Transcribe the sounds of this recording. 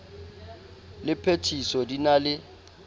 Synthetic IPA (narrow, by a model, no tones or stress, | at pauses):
lɪpʰetʰisɔdinalɪ